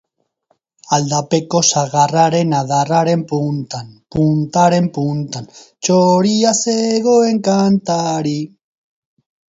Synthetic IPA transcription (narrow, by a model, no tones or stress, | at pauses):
ald̪ape̞ko̞saɣaraɾenaðaraɾe̞mpunt̪anpunt̪aɾe̞mpunt̪an | t͡ʃoɾiaseɣoeŋkant̪aɾi